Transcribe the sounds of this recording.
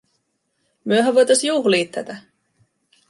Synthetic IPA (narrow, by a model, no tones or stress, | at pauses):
myøɦɑʋojt̪ɑsjuːxliːt̪ːæ̰t̪æ